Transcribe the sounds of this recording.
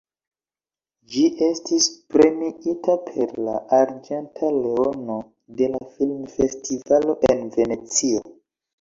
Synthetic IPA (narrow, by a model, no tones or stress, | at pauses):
d͡ʒiʔe̞stispɾe̞miʔitapʰe̞ɾla̰ʔaɾd͡ʒentʰale̞ono | de̞lafilmfe̞stivalo̞ʔenve̞ne̞t͡siao